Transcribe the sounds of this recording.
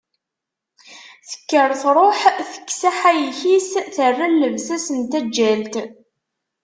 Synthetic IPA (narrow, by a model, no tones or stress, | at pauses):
θə̥kːəɾˤθɾˤoħθə̥kːsaħæjçisθərːalːəvsæsənt̪æd͡ʒːælt̪